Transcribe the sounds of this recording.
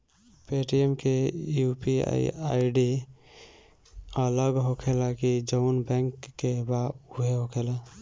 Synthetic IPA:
peʈiemkejupia̰ḭa̰iɖi | ələɡɦokʰelakid͡ʒənbɛ̃ŋkːebauɦeɦokʰela

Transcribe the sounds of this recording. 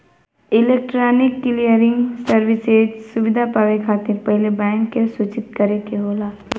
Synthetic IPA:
ɪleːk̚ʈɾaːnɪkːɪlijəɾɪ̃ŋɡsəɾʋɪsed͡ʒsʊʋɪd̪ʱapaːʋekʰaːt̪ɪɾpɛɦlebɛ̃ːŋkːesut͡ʃɪt̪̚kɐɾekeɦoːlaː

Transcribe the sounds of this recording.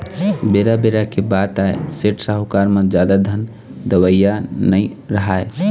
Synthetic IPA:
beɾabeɾakebat̪aeseʈsaɦokaɾmẽd͡ʒjad̪ad̪ʱən | d̪əwəjanəi | ɾəɦae

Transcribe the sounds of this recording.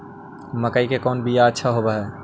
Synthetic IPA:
məkəikekɔːnbijaətːʃʰaɦobaɦɛ

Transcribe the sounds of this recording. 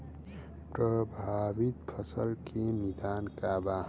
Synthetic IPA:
pɾəbʱabit̪pʰʌsəlkenid̪ankaba

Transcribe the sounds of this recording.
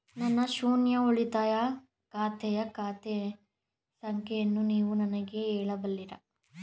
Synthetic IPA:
nɐnːɐʃuːnjɐoɭit̪aːjɐ | kaːt̪ʰɛjɐkaːt̪ɛ | sɐŋkʰɛjɐnːuniːʋunɐnɐɡe̞eːɭɐbɐlːiɾɐ

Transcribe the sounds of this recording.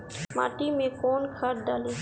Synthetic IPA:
ma̰ːʈimẽkonkʰaɾɖaːli

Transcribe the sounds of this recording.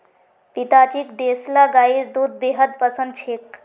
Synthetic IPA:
pit̪at͡ʃikd̪eslaɡaiɾd̪ud̪̚beɦəd̪̚pəsə̃nd̪t͡ʃʰek

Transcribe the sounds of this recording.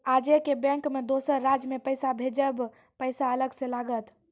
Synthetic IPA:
ad͡ʒekebɛ̃ŋkmed̪osəɾːad͡ʒmepəjsabʱed͡ʒəb | pəɪsaələɡsẽlaɡət̪

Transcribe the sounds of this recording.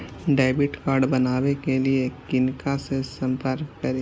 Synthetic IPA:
ɖaːɪbɪʈkaːɾɖbɐnaːwekeliekɪnkasesɐ̃mpəɾkːɐɾe

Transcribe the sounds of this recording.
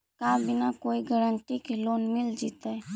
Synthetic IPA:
kabʱinakoːiɡəɾəɳʈikeloːnmɪld͡ʒit̪a

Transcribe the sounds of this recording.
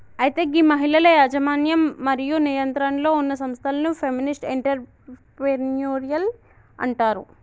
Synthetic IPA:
ɐjit̪e̞ːɡimɐɦilɐlɐjaːd͡ʒɐmaːnjɐmːɐɾijunijɐnt̪ɾɐnlo̞ːunːɐsɐmst̪ʰɐlɐnupʰeminisʈiɳʈɐɾ | penjoːɾijɐl | ɐ̰ɳʈaːɾṵ

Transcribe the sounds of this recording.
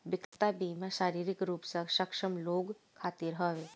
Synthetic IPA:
bɪkt̪abimãʃaːɾiːɾikɾuːpsəʃəkʃəmloːɡ | kʰaːt̪iɾɦəʋe

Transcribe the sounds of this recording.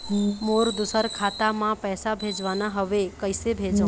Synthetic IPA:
moɾd̪usəɾkʰat̪amãpɛsabʱed͡ʒʋanaɦəʋekəjsebʱed͡ʒõ

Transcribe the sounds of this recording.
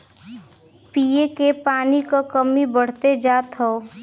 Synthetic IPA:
piːekepaːnikokəmibəɽ̤t̪ed͡ʒaːt̪ɦɛo

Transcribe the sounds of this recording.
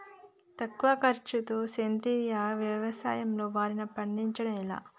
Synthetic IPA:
t̪ɐkːuʋɐkɐɾt͡ʃut̪oːsent̪iːɾjaːʋjɐʋɐsa̰ːjɐmlo̞ːʋaːɾinɐpɐɳɖiɲt͡ʃɐɽɐmila̰ː

